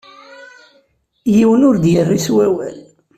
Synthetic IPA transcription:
jiwənʊɾd̪jərːiswæwæ̰l

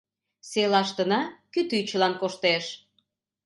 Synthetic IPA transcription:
selɑʃt̪ənɑkyt̪yt͡ɕə̆lɑnkoʃt̪eʃ

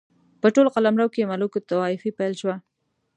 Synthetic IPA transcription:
pəʈolqalamɾawkemalukot̪awaifipajlʃwa

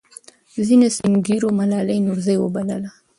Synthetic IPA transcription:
zinesiŋɡiɾomalɑlajnʊɾzajwobaləla

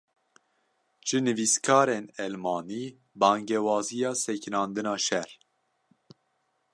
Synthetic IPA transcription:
ʒɨnɨviskʰɑːɾeːnɛlmɑːniː | bɑːŋɡɛwɑːzijɑːsɛknɑːnd̪ɨnɑːʃɛɾ

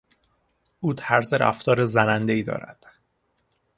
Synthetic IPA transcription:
uːt̪ʰæɾzeɾʔæ̰ft̪ʰɒːɾezænænd̪e̞iːd̪ɒ̰ːɾæ̰d̪̥

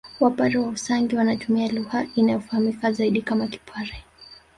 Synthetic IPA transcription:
wapaɾɛwausaŋɡiwanatumialuhainajɔfahamikazaiɗikamaki̥pʰaɾɛ

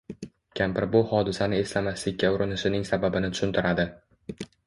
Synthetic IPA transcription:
kʲʰampɪɾbʊhɒd̪ɪsanɪe̞slamaslɪk̚ʲːaʊɾɪnɪʃɪnɪŋsababɪnɪt̪ʰʊ̥ʃʊnt̪ʰɪɾʔad̪ɪ

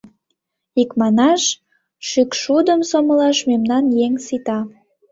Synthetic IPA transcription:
ikmɑnɑʃ | ʃykʃud̪əmsoməlɑʃmemnɑnjeŋsit̪ɑ

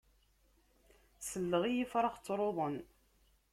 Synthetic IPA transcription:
səlːəʁijifɾˤɑχt͡sːɾˤoðˤən

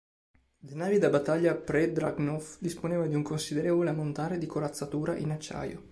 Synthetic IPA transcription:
lenaːvid̪abat̪ːaʎːapɾed̪ɾaɡnɔfd̪isponeːvad̪iuŋkonsid̪eɾɛːvoleamːont̪aːɾed̪ikoɾat̪sːat̪uːɾaʔinat͡ʃːa̰ːjo̰

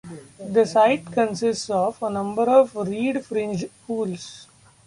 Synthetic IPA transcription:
d̪əsaɪʈkə̃nsɪsʈsɔːʋənʌ̃mbəɾɔːʋɾiːɖfɾɪ̃nd͡ʒpuːls

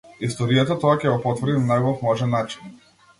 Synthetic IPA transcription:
ist̪ɔɾijat̪at̪ɔakʲɛɡɔpɔt̪vrd̪innaɡɔfmɔʒɛnːat͡ʃi̥n

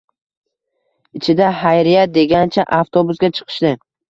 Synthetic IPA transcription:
ɪt͡ʃʰɪd̪aɦajɾɪjat̪̚d̪e̞ɡʲant͡ʃʰaʔaft̪ʰobʊsɡʲat͡ʃʰɨ̥qʰɨ̥ʃd̪ɪ

